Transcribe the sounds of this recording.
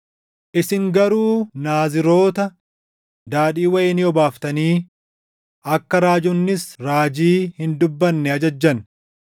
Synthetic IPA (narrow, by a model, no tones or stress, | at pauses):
ʔɪsɪŋɡɐɾuːnaːzɪɾo̞ːt̪ɐ | d̪aːᶑiːwɐjɛnɪɔbaːft̪ɐniː | ʔɐkːɐɾaːd͡ʒʊnːɪsɾaːd͡ʒiːhɪnd̪ʊbːɐnːɛɐd͡ʒɐd͡ʒːɐn